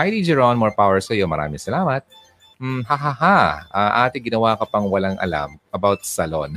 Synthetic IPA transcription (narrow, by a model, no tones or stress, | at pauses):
hajd̪id͡ʒɛɹonmɔɹpawɛɹsɐjomɐɾa̰ːmɪ̃ŋsɐlaːmɐt̪̚ | m̩hɐɦahaʔɐʔaːt̪ɪɡɪnɐwaːkɐpɐŋwɐlaŋʔɐ̰la̰mʔɐbawt̪̚sɐlon